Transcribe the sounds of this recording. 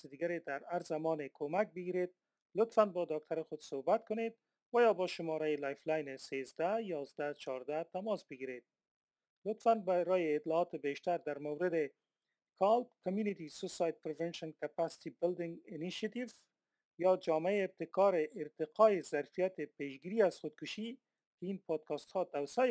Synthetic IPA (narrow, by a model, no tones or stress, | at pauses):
sɪd̪iɡaɾed̪aɾaɾzamɔnekʰomak̚bɪɡiɾed̪̚ | lʊt̪fanbɒd̪ɑk̚t̪ʰaɾɪxʊd̪̥sohbat̪̚kʊned̪̚ | wajɒbɔʃʊmɔɾajɪlajflajnesezd̪ajɒzd̪at͡ʃʰɒɾd̪at̪amɔsbɪɡiɾed̪̥̚ | lʊt̪fanbaɾɔjɪːt̪lɔːt̪ɪbeʃt̪aɾd̪aɾmawɾɪd̪ɪ | kʰɑlpkamjunɪt̪isʊsɑjd̪̚pɾɪvɛnʃɔnkapasɪ̥t̪ibɪld̪ɪŋɡɪniʃat̪iv | jɒd͡ʒɔmɪaeːb̚t̪ɪkɑɾɪʔɪɾt̪ɪqɒjɪzaɾfijat̪ɪpeʃɡiɾiaz̥xʊd̪̚kʊʃi | kɪinpɑd̪̚kɑst̪hɑd̪awsa